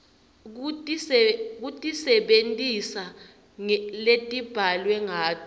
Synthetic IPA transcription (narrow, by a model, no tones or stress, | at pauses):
k̬utʼisɛɓentʼisa | letʼib̥ʱalwɛŋaːtʰɔ